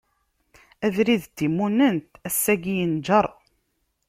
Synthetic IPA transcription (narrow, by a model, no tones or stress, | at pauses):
æðɾiðt̪ːimːunənt̪æsːæɡijənd͡ʒəɾˤ